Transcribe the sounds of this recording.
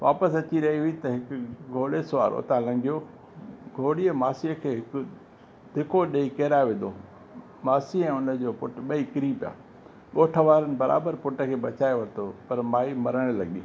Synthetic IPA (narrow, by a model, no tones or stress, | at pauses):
ʋa̰ːpəsɐt͡ɕiɾɐɦiʊit̪ɐɦɪkʊɡʱoːlesʊʋa̰ːɾʔo̰ːt̪ãlɐ̃ŋɡʱijoː | ɡʱoːɽijəmaːsiəkʰeːɦɪkʊ | d̪̥ʱɪkʰoɗɐikeːɾaːeʋẽːnd̪oː | maːsiɛ̃ːʊnə̆d͡ʑoːpʊʈɓɐikɪɾiːpja̰ː | ɠoːʈʰəʋaːɾənɪ̆bɐɾa̰ːbəɾpʊʈə̆kʰeːɓɐt͡ɕaːjeʋɐt̪opɐɾmaːimɐɾəɽ̃lɐ̰ɠḭː